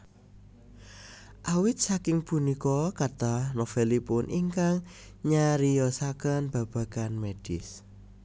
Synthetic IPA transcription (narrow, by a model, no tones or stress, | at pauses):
ʔawɪt̪̚sakɪŋpunikɔkat̪anofelipʊnʔḭŋkaŋ | ɲaɾijɔsakənb̥ä̤b̥a̤kanmed̥ɪs